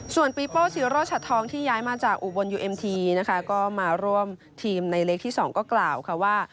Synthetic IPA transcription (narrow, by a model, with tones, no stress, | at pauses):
su˨˩ənpiː˦˥pɤː˥˩t͡ɕ̪ʰiː˨˦ɾoː˥˩t͡ɕʰa˨˧˩t̪ʰɔː˧ŋt̪ʰiː˥˩jaː˦˥jmaː˧t͡ɕaː˨˩k̚ʔu˨˩bo˧njuː˧ʔe˧mt̪ʰiː˧na˦˥kʰa˦˥kɔː˥˩maː˧ɾu˥˩əm | t̪ʰiː˧mna˧jleː˦˥k̚t̪ʰiː˥˩sɔː˩˦ŋkɔː˥˩klaː˨˩wkʰa˧˥waː˥˩